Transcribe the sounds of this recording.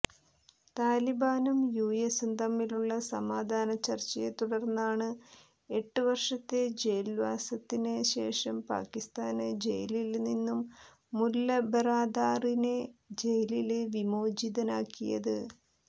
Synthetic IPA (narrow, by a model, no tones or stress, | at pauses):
t̪aːlibaːnumjuːjesunt̪ɐmːiluɭːɐsɐmaːd̪ʱaːnɐt͡ɕɐrt͡ɕːɐjet̪uɽɐrnːɐaːɳɨ | e̞ʈːɨʋɐrʂɐt̪ːe̞d͡ʑejɐlʋaːsɐt̪ːineɕe̞̰ːʂɐmpa̰ːkːist̪aːnɨd͡ʑejɐlilninːumː | ulːɐbɐraːd̪aːrine̞d͡ʑe̞jɐlileʋimo̞ːd͡ʑiðɐnaːkːijɐ̰ðɨ